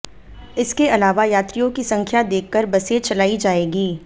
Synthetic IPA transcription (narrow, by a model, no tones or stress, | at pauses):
ɪskeɐlaːʋajaːt̪ɾijõkisɐ̃ŋkʰjad̪eːkʰːəɾbɐset͡ʃɐlaːid͡ʒaːeːɡiː